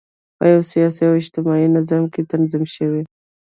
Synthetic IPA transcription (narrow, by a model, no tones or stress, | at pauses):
pə̰jawsijɑsiawɪd͡ʒt̪ɪmɑinazɑmket̪anzɪmʃəwe